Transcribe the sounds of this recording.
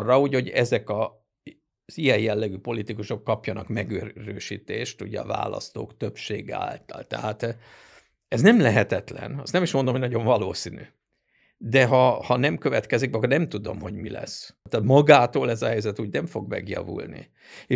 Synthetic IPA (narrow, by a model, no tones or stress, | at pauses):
rːɒuːɟho̞ɟɛzɛkɒ | z̥ijɛjjɛlːɛɡypo̞lit̪ikuʃo̞kːɒpjɒnɒkmɛɡøːɾøːʃiːt̪eːʃt̪ṵɟɛɒva̰ːlɒ̰st̪o̰ːkt̪ø̞pʃeːɡa̰ːlt̪ɒlt̪ɛ̰ɦaːt̪ | ɛznɛmlɛɦɛt̪ɛt̪lɛ̰nɒst̪nɛmiʃmond̪omhoɟnɒɟo̞ɱvɒloːsiny | d̪ɛɦɒhɒnɛmkø̞vɛt̪kɛzikɒkːornɛmt̪ud̪o̞mho̞ɟmilɛ̰sːɛːt̪mɒɡaːt̪oːlɛzɒɦɛjzɛt̪uːɟnɛɱfo̞ɡmɛ̰ɡjɒ̰vṵlnḭ | eː